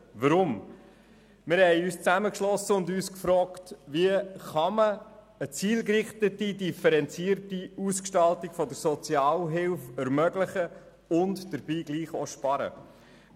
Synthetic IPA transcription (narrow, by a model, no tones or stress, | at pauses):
ʋəɾʊm | mɪɾhɛɪyːst͡sæməkʃlɔsəʊndyːskfɾɔːktʋiəχɑmə | ət͡siːlkrɪχtətidifəɾɛnt͡siːəɾtiuskʃtɑltiɡ̥fɔdəɾsɔt͡sjɑːlɦɪlfɛɾmœɡlɪχə | ʊntd̥əɾb̥iːɡ̥liːχo̰ʃpɑɾə̰